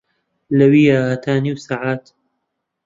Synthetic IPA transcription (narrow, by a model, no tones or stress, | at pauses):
lɐwiːjaːhat̪ʰaːniːwsaːʕaːt̪